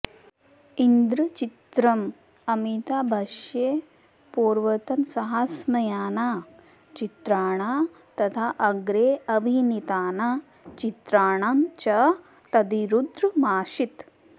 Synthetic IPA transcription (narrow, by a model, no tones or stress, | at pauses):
ind̪ɾɐt͡ʃit̪ɾɐm | ɐmit̪aːbʱɐʃjeː | puːɾʋɐt̪ɐmsɐɦaːsmɐjaːna | t͡ʃit̪ɾaːɳ̃a | t̪ɐt̪ʰaʔɐɡɾeːɐbʱinit̪aːna | t͡ʃit̪ɾaːɳ̃ant͡ʃɐ | t̪ɐd̪iɾud̪ɾmaːʃit̪